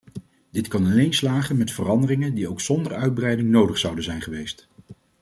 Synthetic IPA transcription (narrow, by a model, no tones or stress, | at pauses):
d̥ɪtkɑnɑlejnslaːχənmɛtfərɑndərɪŋəndiowksɔndəɹœɥd̚brɛjdɪŋnowdəχsʌwdənzɛjnχəʋejst